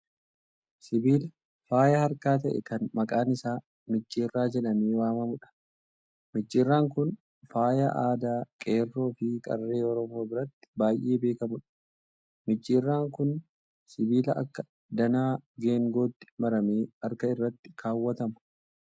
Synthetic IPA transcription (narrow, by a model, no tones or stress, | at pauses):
sɪbiːlɐ | faːjɐhɐɾkaːt̪ɐʔɛ̰kɐnmɐkʼaːnɪsaː | mɪt͡ʃʼːiːrːaːd͡ʒɛᶑɐmeːwaːmɐmʊᶑɐ̥ | mɪt͡ʃʼːiːrːaːŋkʊn | faːjɐʔaːd̪aːkʼe̞ːrːo̞ːfɪkʼɐ̰rːe̞ːɔɾɔmoːbɪɾɐt̪ːɪ̥baːjʔe̞ːbe̞ːkɐmʊᶑɐ̥ | mɪt͡ʃʼːeːrːaːŋkʊn | sɪbiːlɐʔɐkːɐ̥ | d̪ɐnaːɡe̞ːŋɡo̞ːt̪ːɪ̥mɐɾɐmeːɐɾkɐɪrːɐt̪ːɪ̥kʰaːwːɐt̪ɐmɐ̥